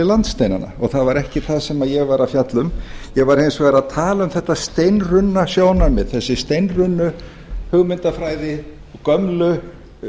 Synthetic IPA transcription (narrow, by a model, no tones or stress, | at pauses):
ɪlant̪st̪eːjna̰na̰ɔɣθaðvaɾɛhcɪθaðsɛmajɛɣvaɾawfjat̪lʏmjɛɣvaɾ̥hejnsvɛɾaðt̪ʰaːlaʏmθɛht̪ːast̪ejnrʏnːasjoːwnamɪðθɛsːɪst̪ejnrʏnːʏ | hʏɣmɪnt̪afɾaːjðɪ | kœmlʏ